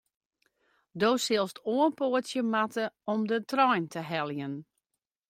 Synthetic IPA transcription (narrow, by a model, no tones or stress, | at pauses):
doːsɪlˠstoənpoətsjəmatəɔmdətrɔjntʰəɦɛlˠjən